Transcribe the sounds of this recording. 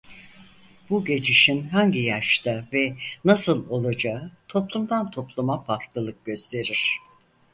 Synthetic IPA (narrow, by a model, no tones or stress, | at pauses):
b̥uɟe̞d͡ʒiʃinɦaɲɟijaʃt̪ʰavɛnasɯlˠo̞lˠad͡ʒaɯt̪ʰo̞plˠumd̪ant̪ʰo̞plˠumapʰaɾk̪lˠɯlˠɯk̚ɟ̥ø̞st̪ʰe̞ɾiɾ̝̥